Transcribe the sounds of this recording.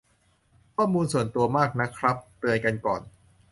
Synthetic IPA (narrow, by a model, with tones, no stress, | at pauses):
kʰɔː˥˩muː˧nsu˨˩ənt̪u˧ɐmaː˥˩k̚na˦˥kʰɾa˦˥p̚t̪ɯ˧əjka˧nkɔ̰ː˨˩n